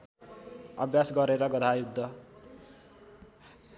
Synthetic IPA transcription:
ʌ̰bjasɡʌɾeɾʌɡʌd̪ʱajud̪ʱːʌ

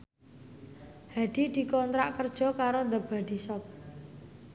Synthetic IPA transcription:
had̪̥id̪̥i̤kɔnt̪ɾaʔkərd̥ʒ̥ɔ̤kaɾond̪əb̥a̤d̪̥i̤sɔp̚

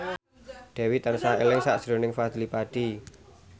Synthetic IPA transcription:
d̪̥ɛ̤wit̪ərsaelɪŋsaʔd̥ɾo̤nɪŋfad̪̥ilipad̥i

